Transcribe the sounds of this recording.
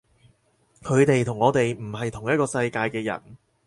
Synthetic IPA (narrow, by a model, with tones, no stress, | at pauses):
kʰɵ˨˧ɥt̪e˨jt̪ʰʊ˨˩ŋːɔː˨˧t̪e˨jm̩˨˩ɦɐ˨jt̪ʰʊ˨˩ŋjɐ˥t̚kɔː˧sɐ˧jkaː˧jkɛː˧jɐ̰˨˩n